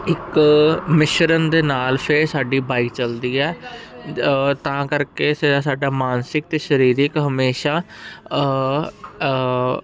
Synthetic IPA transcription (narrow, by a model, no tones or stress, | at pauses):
ɪkmɪʃɾənd̪eːnaːlpʰesaːɖiːbaːikt͡ʃəld̪iːɛː | t̪ãːkəɾkeːsasaːɖaːmaːnsɪk̚t̪eːʃəɾiːɾɪkɦəmeːʃaː